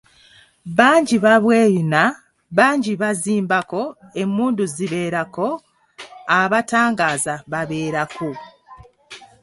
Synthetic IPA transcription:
βaːɲɟiβaβwe̞ːjuna | βaːɲɟiβaziːmbako̞e̞muːnduziβe̞ːɾako̞ | aβataːŋɡaːzaβaβe̞ːɾaku

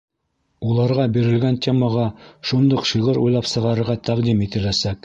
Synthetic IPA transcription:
ulˠɑɾʁɑbiɾɘ̆lɡænt̪ʲe̞məʁɑʃund̪oqʃɤʁɤɾṵjlˠɑpsɤ̆ʁɑɾɤ̆ɾʁɑt̪æqd̪imit̪ɘ̆læsæk

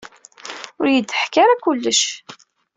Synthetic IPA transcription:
ʊɾjəd̪ːəħkaɾakʊlːəʃ

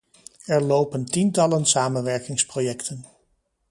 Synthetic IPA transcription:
ɛɹlowpəntintɑlənsaːmənʋɛɹkɪŋsprojɛktʰən

